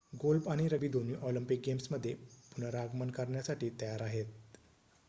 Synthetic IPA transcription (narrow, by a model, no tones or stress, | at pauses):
ɡolbaɽ̃iɾəbid̪ʱoniːʔɔləmpik̚ɡemsməd̪ʱːjepunəɾaɡmənkəɾɳjasaʈiːt̪əjaɾaɦet̪̚